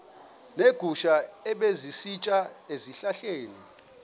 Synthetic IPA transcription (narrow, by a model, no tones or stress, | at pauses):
neɡ̥ʱuʃaɛɓezisit͡ʃʼaeziɬaɬeːni